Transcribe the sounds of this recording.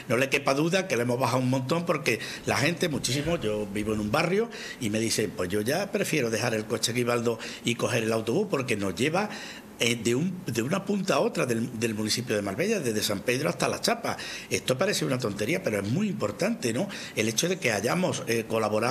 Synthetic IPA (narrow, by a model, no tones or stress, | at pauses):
no̞le̞ke̞paðuðakeloemo̞ɦβaɦawuŋmõnt̪o̞mpo̞ɾke̞ | lahẽ̞nt̪e̞mut͡ʃisimoʝo̞biβo̞enũmbarjo | ime̞ðiθe̞mpwe̞ʝo̞ʝapɾe̞fje̞ɾoðe̞ɦaɾe̞lko̞t͡ʃe̞ɣiβ̞alðo̞iko̞ɦe̞ɾe̞lawt̪o̞β̞upo̞ɾke̞no̞zʝe̞βa | ed̪eumd̪eunapunt̪ao̞t̪ɾaðeld̪e̞lmũniθipjoð̞e̞malβe̞ʎaðe̞ðe̞sampe̞ðɾoast̪alat͡ʃapae̞st̪opaɾe̞seunat̪o̞nt̪e̞ɾiape̞ɾo̞e̞zmuiimpo̞ɾt̪ant̪e̞no̞ | e̞le̞t͡ʃoðe̞ke̞aʝamo̞seko̞laβo̞ɾa